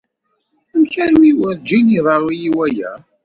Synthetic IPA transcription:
əmçæɾwiwəðd͡ʒiniðˤɑɾˤijiwæjæ̰

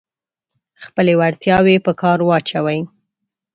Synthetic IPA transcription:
xpəlewaɽt̪jɑwepəkɑɾwɑt͡ʃawaj

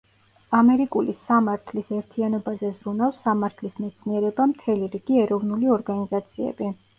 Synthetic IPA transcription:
amɛɾikʼulisamaɾt̪ʰlisɛɾt̪ʰianɔbazɛzɾunafsamaɾt̪ʰlismɛt̪sʰniɛɾɛbamt̪ʰɛliɾiɡiɛɾɔvnuliɔɾɡanizat̪sʰiɛ̰bi

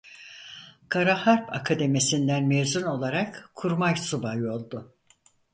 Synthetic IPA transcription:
kʰaɾahaɾpʰa̰kʰad̪emisind̪ænmevzuno̞lˠaɾakkʰːuɾmajsubajo̞lˠd̪ʊ

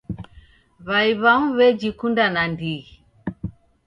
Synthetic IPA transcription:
βaiβaŋuβɛd͡ʒikundanandiɣi

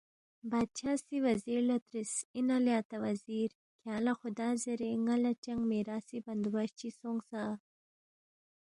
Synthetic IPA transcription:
bɑːd̪̚t͡ʃʰaːsiwaziɾlat̪ɾisinaljɑt̪awaziɾ | kalaxʊd̪ɑzeɾeŋalat͡ʃaŋɡmeɾɑsiband̪uwaʃt͡ʃisoŋɡsa

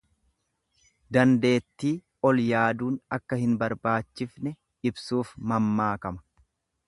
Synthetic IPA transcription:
d̪ɐnd̪e̞ːt̪ːiː | ɔljaːd̪uːnɐkːɐhɪnbɐɾbaːt͡ʃːɪfnɛ | ɪbsuːfmɐmːaːkɐmɐ̥

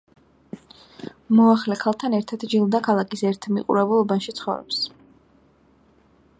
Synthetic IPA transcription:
mɔaχlɛkʰalˠt̪ʰanɛɾt̪ʰat̪d͡ʒilˠd̪akʰalˠakʼisɛɾt̪ʰmiqʼṵɾɛbulˠɔbanʃit̪sʰχɔ̰vɾɔ̰ps

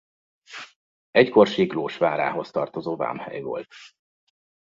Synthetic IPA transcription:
ɛcko̞rʃiːɡloːʃʋaːɾa̰ːɦo̞st̪ɒrt̪o̞zoːva̰ːmhɛ̰jvo̞̰lt̪

